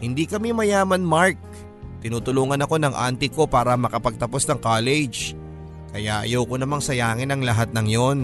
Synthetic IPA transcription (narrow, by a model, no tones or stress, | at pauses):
hɪnd̪ikɐmimɐjaːmɐnmaɹk̚ | t̪ɪnuːt̪ʊluːŋɐnɐko̞nɐŋʔa̰nt̪ɪko̞paːɾɐmɐkɐpɐɡ̚t̪ɐpo̞snɐŋkaːlɛd͡ʒ | kɐjaʔɐ̰jɐwkonɐmaŋsɐjaːŋɪnɐŋlɐɦat̪̚nɐŋjo̞n